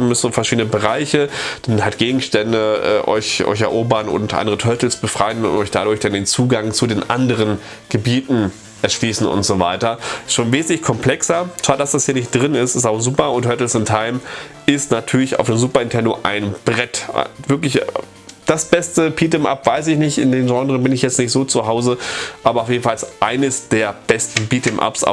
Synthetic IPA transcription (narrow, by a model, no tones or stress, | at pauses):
mʏszofɛɐʃiːdənəbəʁaɪçəd̥anhatɡ̥eːɡŋ̩ʃtɛndəʔɛ̰ːʔɔ̰ʏçʔɔ̰ʏçɛɐʔoːbɐnʊ̰ntʔa̰ndəʁətʰœɐtl̩sb̥əfʁ̥aɪənʊntɔʏçd̥aɾʊɐçd̥andeːnt͡suːɡaŋt͡sudeːnʔa̰ndəʁən | ɡ̥əbiːtn̩ | ʔɛɐʃliːsn̩ʊ̰ntz̥ovaɪtɐʃoːnveːzn̩tlɪçkʰɔmpl̥ɛksɐt͡sv̥aːdd̥asd̥ashiːɐnɪçt̚d̥ʁɪnɪstɪs̬taʊzuːpɐʊnthœtl̩sɪntʰaɪm | ɪstnatʰyːɐlɪça̰ʊfd̥eːmzuːpɐɪntʰɛndoʔa̰ɪnb̥ʁɛtvɪɐklɪç | d̥asb̥ɛstəpʰiːtɛmʔa̰pv̥aɪsɪçnɪçtɪ̰ndeːmʒɑ̃ŋdʁənbɪnɪçjɛt͡snɪçtz̥oːt͡suɦaʊzəʔaːbɐaʊfjeːdn̩falsʔaɪnəsd̥eːɐb̥ɛstn̩biːtɛmʔa̰ps